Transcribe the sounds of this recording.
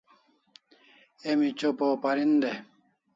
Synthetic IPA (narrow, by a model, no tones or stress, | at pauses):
emit͡ɕopoːpɐɾind̪e